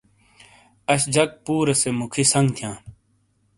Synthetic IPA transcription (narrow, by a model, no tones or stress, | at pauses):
ɐɕd͡ʑɐk̚puːɾəsemʊkʰisɐŋɡt̪ʰjãː